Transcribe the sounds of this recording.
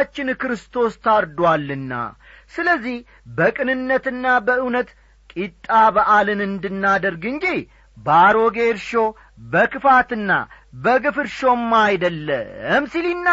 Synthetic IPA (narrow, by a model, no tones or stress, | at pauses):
t͡ʃːɪnkɨɾɨst̪ʰo̞st̪ʰaɾd̪walːɨnːa̰ | sɨləzːih | bəkʼɨnɨnːət̪ɨnːabəɨwnət̪ | kʼit̪ʼːabəʔalɨnɨnd̪ɨnːad̪əɾɡɨɲd͡ʒi | baɾoɡe̞ɾʃo̞ | bəkɨfat̪ɨnːa̰bəɡɨfɨɾʃo̞mːajd̪əlːə̰msilinːa